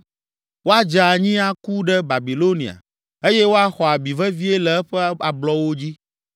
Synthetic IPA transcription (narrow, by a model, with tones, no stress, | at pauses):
wo˦a˦d͡ʒa˨ɲĩ˦a˨ku˦ɖɛ˦ba˨bi˨lo˦nḭ̃˨a̰˨ | e˦je˦wo˦a˦xɔ˨a˨bi˨vɛ˦vi˦e˦lɛ˨ɛ˦ɸɛ˦a˨blɔ˦wo˦d͡ʑi˦